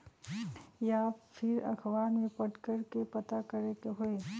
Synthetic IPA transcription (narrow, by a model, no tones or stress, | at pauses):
japʰɪɾɐ̰kʰʋaːnmẽpɐʈkəɾkepɐt̪akɐɾekeɦoe